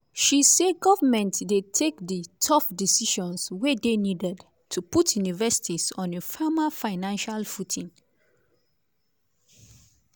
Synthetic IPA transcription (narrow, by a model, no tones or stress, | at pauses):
ʃiseɡɔvamɛ̃ntdetʰekditʰɔfdisiʃɔ̃nswedenidɛd | tʰuputʰjunivɛsi̥tʰisɔ̃nefamafaɪnãnʃalfutʰĩn